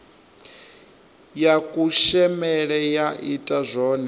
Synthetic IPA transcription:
jakʼuʃɛmɛɺɛjaʔitʼazʷɔːnɛ

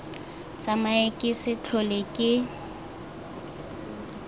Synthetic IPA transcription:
t͡sʼamaekʼɪsɪt͡ɬʰɔlekʼɪ

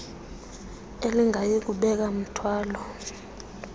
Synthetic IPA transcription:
eliŋʱajik̬uɓɛk̬am̩tʰwaːlɔ

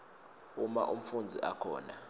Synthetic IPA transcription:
uma̰ʔum̩fund͡zʱiʔakʰɔ̰ːna

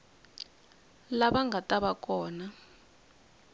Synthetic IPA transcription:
laɓaŋɡʱatʼaɓakʼɔːna

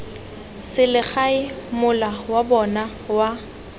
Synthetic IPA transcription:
sɪlɪk͡xaɪmʊlawabɔna | wa

